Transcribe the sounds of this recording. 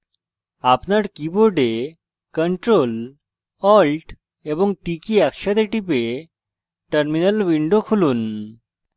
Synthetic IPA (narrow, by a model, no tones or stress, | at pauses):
apnaʈkiboɖe | kəɳʈɾol | ɔlʈ | eʋəŋɡ̚ʈikiakɕad̪eʈipe | ʈəɾminəlʋiɳɖokʰuluːn